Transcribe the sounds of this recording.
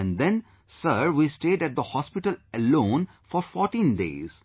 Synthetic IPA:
ɛ̃nd̪ɛ̃n | səɾʋiːsʈeːɖæʈ̚d̪əhɔspɪʈələlõːn | fɔɾfɔːɾʈĩːnɖḛːz̥

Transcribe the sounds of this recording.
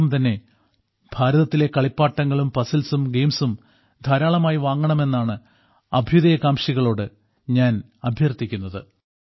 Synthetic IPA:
umt̪ɐnːe̞ | b̥ʱaːɾɐðɐt̪ːile̞kɐɭipːaːʈːɐŋːɐɭumpɐsɐlsumɡe̞jmsum | d̪ʱaːɾaːɭɐmaːjiʋaːŋːɐɳɐme̞nːaːɳɨ | ɐbʱjuðɐjɐkaːmɕiɣɐɭo̞ːɽɨ | ɲaːn | ɐbʱjɐrt̪ːikʲːunːɐðɨ

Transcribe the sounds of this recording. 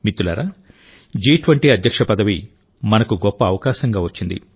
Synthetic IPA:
mit̪ːula̰ːɾaː | d͡ʒiːʈʋɐɳʈiːɐd̪ʱjɐkʂɐpɐd̪ɐʋi | mɐnɐkuɡɔpːɐːʋɐkaːʃɐŋɡaːʋɐt͡ʃːind̪ḭ

